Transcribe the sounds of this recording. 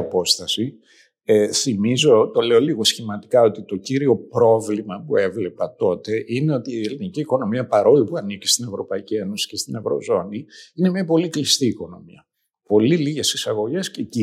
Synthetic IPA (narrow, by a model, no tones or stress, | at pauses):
ɐpo̞st̪ɐsi | eθimizo̞t̪o̞le̞o̞liɣo̞sçimɐt̪ikɐo̞t̪it̪o̞ciɾio̞pɾo̞vlimɐpue̞vle̞pɐt̪o̞t̪e̞ʔine̞o̞t̪iːeliniciːko̞no̞miɐpɐɾo̞lipuɐnici̥st̪ine̞vɾo̞pɐicie̞no̞si̥ce̞st̪ine̞vɾo̞̰zo̞niine̞mɲɐpo̞liklist̪iːko̞no̞miɐ | po̞liliʝe̞sisɐɣo̞ʝe̞sceci